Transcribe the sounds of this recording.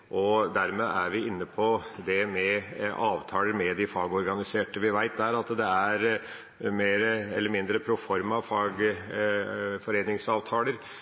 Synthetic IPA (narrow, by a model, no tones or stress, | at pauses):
ʔɔd̪æɾmeʔæɾʋɪɪnːəpʰɔd̪ɛmɛʔɑːʋt̪ʰɑːləɾmɛd̪ɪfɑːɡɔɾɡɑnɪseːʈəʋɪʋæɪt̪̚d̪æɾɑt̪d̪ɛæɾ | meːɾəɛlːəɾmɪnd̪ɾəpʰɾʊfɔɾmɑʋfɑːɡ | fɔɾeːnɪŋsɑːʋt̪ʰɑːləɾ